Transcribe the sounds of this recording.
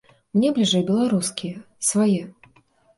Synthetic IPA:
mnʲɛblʲiʐɛjbʲɛlˠaɾuskʲijɛ | svajɛ

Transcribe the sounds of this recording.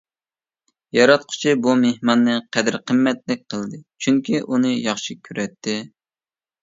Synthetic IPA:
jɑɾɑt̪̚qʰʊ̥t͡ʃʰibumehmɑnːɨqʰɛd̪ɪɾqʰəmːɛt̪̚lɪk̚ʲqʰəlˠd̪ɨt͡ʃʰyŋkʲiʔunɨjɑχʃikʲʰyɾɛt̪ʰːɪ

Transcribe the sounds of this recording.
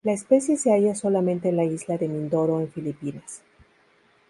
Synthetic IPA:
laespe̞sje̞se̞aʝaso̞lamẽ̞nt̪eːnlaizlaðe̞mĩnd̪o̞ɾo̞eɱfilipinas

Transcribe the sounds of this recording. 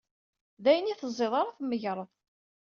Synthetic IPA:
ðæjəniθəzˤːeðˤɑɾˤaθəmːəʝɾˤəðˤ

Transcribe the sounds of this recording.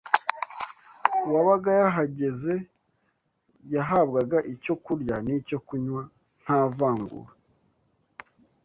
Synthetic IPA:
waβaɡajaɦaɟe̞ze̞ | jaɦabɡaɡaʔico̞kuɾjanico̞kuɲwa | n̥haːvaːŋɡṵɾa

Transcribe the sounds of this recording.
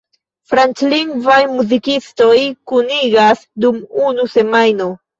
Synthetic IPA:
fɾant͡ʃliŋɡvajmuzikisto̞jkuniɡasdumunuse̞majno̞

